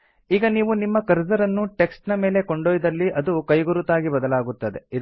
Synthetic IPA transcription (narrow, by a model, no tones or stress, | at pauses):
iːɡɐniːʋunimːɐkɐɾd͡ʒɐɾɐnːuʈe̞ksʈnɐme̞ːle̞koɳɖoːjid̪ɐlːiʔɐd̪ukɐjɡuɾut̪aːɡibɐd̪ɐlaːɡut̪ːɐd̪e̞i